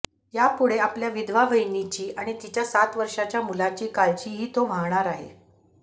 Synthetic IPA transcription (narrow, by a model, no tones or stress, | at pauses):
japuɽeapljaʋid̪ʱʋaʋəjnit͡ɕiːʔaɽ̃it̪it͡ɕjasat̪ʋəɾʂat͡ɕjamulat͡ɕiːkalt͡ɕiːɦiːt̪oʋ̤ʱaŋɳ̃aɾaɦḛ